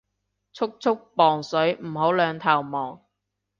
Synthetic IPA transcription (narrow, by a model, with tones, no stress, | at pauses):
t͡sʰʊ˥k̚t͡sʰʊ˥k̚pɔː˨ŋsɵ˨˥ɥm̩˨˩ho˨˥wlœː˨˧ŋt̪ʰaː˨˩wmɔː˨˩ŋ